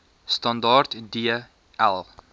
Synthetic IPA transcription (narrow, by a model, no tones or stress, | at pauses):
stɐndɑrtdiə | ælˠ